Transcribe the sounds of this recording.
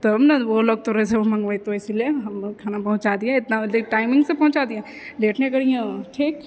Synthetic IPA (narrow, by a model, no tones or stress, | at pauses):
t̪ɐbnɐʋoloːɡ̚t̪oɾɐɦeseʋomɐ̃ŋɡʋaːit̪oɪsilieɦɐmkʰaːnapɐɦʊ̃t͡ʃaːd̪iãɪt̪naleʈaːɪmɪ̃ŋɡsẽpɐɦʊ̃t͡ʃaːd̪ijã | leːʈnekɐɽijãʈʰiːk